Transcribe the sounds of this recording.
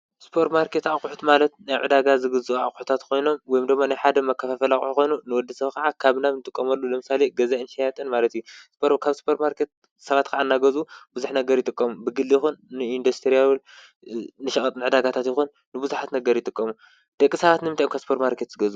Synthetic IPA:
spʰoɾt̪maɾkʰet̪auħut̪malɐt̪̚najʕɨd̪aɡazɨɡɨzuua̰χʼʊħut̪ʰat̪kʰo̞jno̞mwɔjumd̪ɨɡmːanajħad̪ɐmɐkʰːɐfafɐlaχʼuħko̞jnunɨwɔd̪ːɐsɐβkʰɐʕakʰaβnaβnɨt̪ʼɨkʼːɐmɐlːulɨmɨsaleɡɐzainʃɐjat̪ʼɨnmalɐt̪ijuspɾkʰaβsu̥pʰɐɾmaɾkʰe̞t̪̚ | sɐβat̪kʰaʕanːaɡɐzubuzuħnɐɡɐɾjɪt̪ʼɨkʼːɐmubɨɡɨlːijɪxunːɨind̪ust̪ʰɾijawl | nɨʃɐkʼɐt̪ʼɨnɨʕɨd̪aɡat̪ʰat̪jɪxunːɨbuzuħat̪nɐɡɐɾjɪt̪ʼɨkʼːɐmu | d̪̥ɐkʼːisɐβat̪nɨmɨnt̪ʰajmkʰaβsɨ̥pʰoɾt̪maɾkʰe̞t̪z̥ɨɡɐz

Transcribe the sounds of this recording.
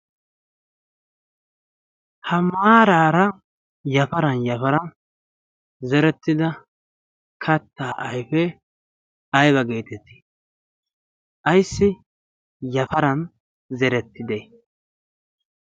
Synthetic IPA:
hɐmaːɾaːɾɐ | jɐfɐɾɐnjɐfɐɾɐn | zɛɾɛt̪ːɪd̪ɐ | kʰɐt̪ːaːʔɐjfɛ | ɐjbɐɡeːt̪ɛt̪ːɪ̥ | ʔɐjsːɪ | jɐfɐɾɐn | zɛɾɛt̪ːɪd̪ej

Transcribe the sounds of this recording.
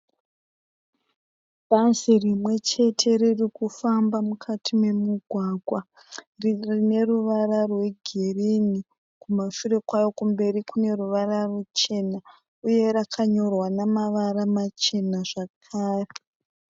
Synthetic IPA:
bʱazirimwe̞t͡ʃe̞tʰe̞ririkufambamukʰatʰime̞muɡʱwaːɡʱwa | riine̞ruʋararwe̞ɡʱerini | kumaʃure̞kwajo̞kumbe̞ɾikune̞ruʋararut͡ʃe̞na | uje̞ɾakʰaɲo̞rwanamaʋaramat͡ʃe̞naʐakʰaːre

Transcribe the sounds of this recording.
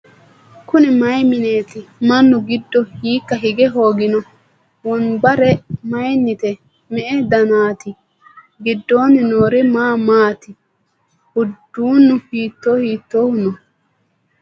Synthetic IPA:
kʊnɪmɐjmɪne̞ːt̪ɪmɐnːʊɡɪd̪ːɔhiːkːɐɦɪɡɛɦo̞ːɡɪnɔ | wɔnbɐɾɛmɐjnːɪt̪ɛ | mɛʔɛd̪ɐnaːt̪ɪ | ɡɪd̪ːo̞ːnɪnoːɾɪmaːmaːt̪ɪ | ʊd̪ːuːnːʊhiːt̪ːo̞ːhiːt̪ːoːhʊnɔ

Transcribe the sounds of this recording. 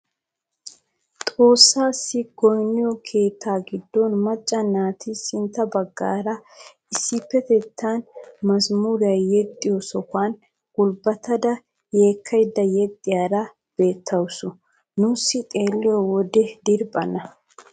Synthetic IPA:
t̪ʼo̞ːsːaːsːɪɡɔjnːɪjɔkʰe̞ːt̪ʰːaːɡɪd̪ːɔnmɐt͡ʃʼːɐnaːt̪ʰɪsɪnt̪ːɐbɐɡːa̰ːɾɐ | ɪsːɪpːɛt̪ɛt̪ʰːanmɐsmuɾɪjɐjjɛt̪ʼːɪjɔsɔkaːn | ɡʊlbɐt̪ɐd̪ɐ | je̞ːkʰːɐjd̪ːɐjɛt̪ʼːɪjaːɾɐ | b̥e̞ːt̪ʰːɐwsʊ | nʊsːɪt̪ʼe̞ːlːɪjɔwɔd̪ɛd̪ɪɾbʼɐnɐ

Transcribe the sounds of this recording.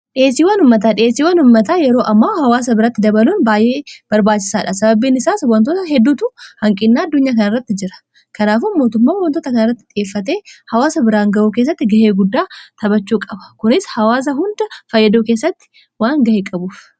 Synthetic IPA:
ᶑɪeːsːiːwɐnʊmːɐt̪̬aːᶑɪeːsːiːwɐnʊmːɐt̪aːjɛɾo̞ːʔɐmːaːhɐwaːs̬ɐbɪɾaːt̪ːɪd̪ɐbɐluːnbaːjʔe̞ːb̥ɐɾbaːt͡ʃːɪ̥saːᶑasɐbɐbiːnɪsaːsʊwɐnt̪oːt̪ɐɦɛd̪ːuːt̪ʊhɐŋkʼɪnːaːɐd̪ːʊɲːaːkɐnɐrːɐt̪ːɪd͡ʒɪɾɐ̥ | kɐnaːfʊnmo̞ːt̪ʊmːaːwɐnt̪oːt̪ɐkɐnɐrːɐt̪ːɪᶑ̪ɪeːfːɐt̪e̞ːhɐwaːsɐbɪɾaːŋɡɐʔuːkeːs̬ːɐt̪ːɪɡɐhe̞ːɡʊd̪ːaːt̪ʰɐbɐt͡ʃːuːkʼɐbɐ̥kʊnɪshɐwaːs̬ɐɦʊnd̪ɐfɐjːɐd̪oːke̞ːsːɐt̪ːɪ̥ | waːŋɡɐheːkʼɐbuːf

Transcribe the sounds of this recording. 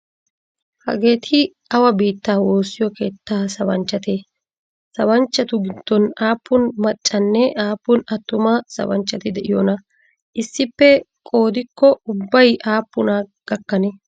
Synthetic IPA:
hɐ̰ɡe̞ːt̪ʰɪ | ɐwɐbiːt̪ːaːwo̞ːsːɪjɔke̞ːt̪ːaːsɐbɐnt͡ʃːɐt̪e | sɐbɐnt͡ʃːɐt̪ʊɡɪd̪̥ːɔnaːpːʊnmɐt͡ʃʼːɐnːɛaːpːʊnɐt̪ːʊmɐsɐ̰bɐ̰nt͡ʃːɐt̪ɪd̪ɛʔɪjɔnɐ | ʔɪsːɪpːɛ | kʼo̞ːd̪ɪkːɔʊbːɐjʔaːpːʊnaɡ̥ɐkːɐne

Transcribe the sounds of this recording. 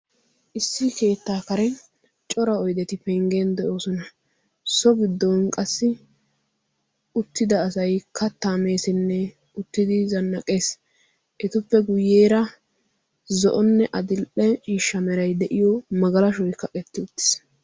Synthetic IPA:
ʔɪsːɪke̞ːt̪ːaːkɐɾɛ | t͡ʃʼɔɾɐɔjd̪ɛt̪ɪpɛŋɡe̞ːnd̪ɛʔo̞ːsɔnɐ | sɔɡɪd̪ːɔnkʼɐsːɪ | ʊt̪ːɪd̪ɐːsɐjkʰɐt̪ːaːme̞ːsɪnːɛ | ʊt̪ːɪd̪ɪzɐnːɐkʼe̞ːs | ʔɛt̪ʊpːɛɡʊjːe̞ːɾɐ | zɔ̰ʔɔnːɛʔɐd̪ɪlʔɛt͡ʃʼiːʃːɐmɛɾɐjd̪ɛʔɪjɔmɐɡɐlɐʃɔjkːɐkʼɛt̪ːɪʊt̪ːɪ̥s

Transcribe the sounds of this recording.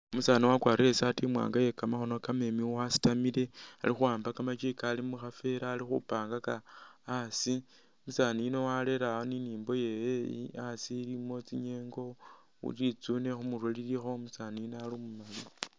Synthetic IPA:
omusaːniwakwaːɾesatimwa̰ːŋɡaje̞kamaxo̞no̞kame̞miwasi̥tamile̞a̰lixuaːmbakamat͡ʃikalimuxafe̞ɾaːlixṵpaːŋɡakaː | si | musaːniino̞wale̞ɾaoniniːmbo̞je̞jeasilimo̞t͡siɲe̞ːŋɡo̞ | ṵlit͡sunexumurolilixo̞musaniinoalimumali

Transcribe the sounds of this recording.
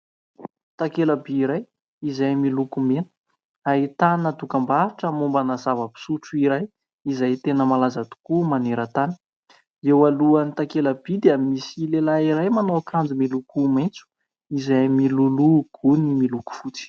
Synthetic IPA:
t̪akelabiiɾaj | izajmilukumenə̥ | ait̪anət̪ukambaaʈ͡ʂəmumbanəzavəpi̥suʈ͡ʂuiɾaj | izajt̪enəmalazat̪u̥kumaneɾət̪ani̥ | ewaluanit̪akelab̥id̪eamisilelaiɾajmanokand͡zumilukumajnt͡su̥ | izajmiluluɡ̥unimiluku̥fut͡si̥

